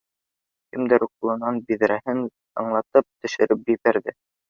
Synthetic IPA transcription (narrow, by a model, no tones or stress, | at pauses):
kɘmd̪ɘɾuq̚ulˠɤ̆nɑnbiðɾæhɘn | ɤ̰ɴlˠɑt̪ɤp̚t̪ɵ̆ʃɘ̆ɾɘp̚ipæɾðɘ